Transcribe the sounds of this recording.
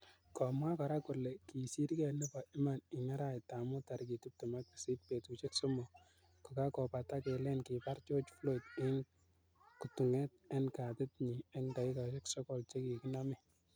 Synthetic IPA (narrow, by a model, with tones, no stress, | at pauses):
kɔ˨mwa˦kɔ˨ɾa˦kʊ˨rlɛ˨ki˨si˦ɾkɛ˨nɪ˦pa˨ɪ˦ma˨nɪ˨ŋa˦ɾa˦˨ta˨mʊ˦ta˨ɾki˨tu˦p̚tʊ˨ma˦t̚i̥˨si˦t̚pe˨tu˨t͡ʃe˦kso˦mo˨ | kʊ˨ka˦kɔ˨pa˨ta˦kɛ˨lɛ˦nkɪ˨pa˦rt͡ʃo˦t͡ʃflo˦tɪ˦ŋ | ku˨tu˨ŋɛ˦t̚ɛ˦nka˨tɪ˦t̚ɲi˨ɛ˦ŋda˨ɪ˦ka˨t͡ʃe˦ksɔ˦kɔ˨lt͡ʃe˦ki˨ki˦na˦mɪ˦